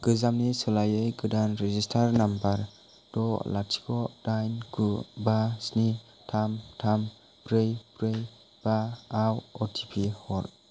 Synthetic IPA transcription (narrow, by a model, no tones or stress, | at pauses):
ɡ̥ɯzamnisɯlajɯjɡɯdanɾezistʰaɾnambaɾ | dɔlatʰi̥kʰɔdajnkʰubasni | tʰamtʰam | pɾɯjbɾɯj | b̥aːwɔtʰipʰihɔɾ